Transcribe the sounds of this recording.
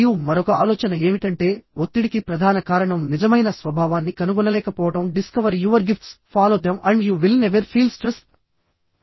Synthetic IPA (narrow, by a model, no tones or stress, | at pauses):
jumɐɾɔkɐaːlɔːt͡ʃɐnɐe̞ːʋiʈɐɳʈe̞ːot̪ːiɽikipɾɐd̪ʱaːnɐkaːɾɐɳɐmnid͡ʒɐmɐjnɐsʋɐbʱaːʋaːnːikɐnuɡɔnɐlɛːkɐpɔːʋɐʈɐmɖiskɐʋɐɾjuːʋɐɾɡifʈspʰaːloːd̪emɐɳɖjuːʋilneʋɐɾpʰiːlsʈɾest